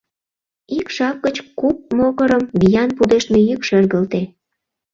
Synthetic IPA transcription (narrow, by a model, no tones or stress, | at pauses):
ikʃɑp̚ɡət͡ɕkup̚moɣəɾəmβijɑnpud̪eʃt̪mejykʃerɣəlt̪e